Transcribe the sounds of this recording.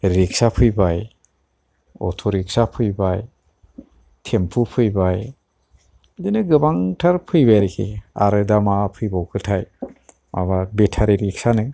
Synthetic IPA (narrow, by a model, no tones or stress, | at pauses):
ɾik̚sapʰɯjbaj | ɔ̰tʰɔɾik̚sapʰɯjbaj | tʰempʰupʰɯjbaj | dɯnɯɡɯbaŋtʰaɾpʰɯjbajɾikʰia̰ɾɯdamapʰɯjbawkʰɯtʰaj | mʔa̰βabetʰaɾiɾik̚sanɯ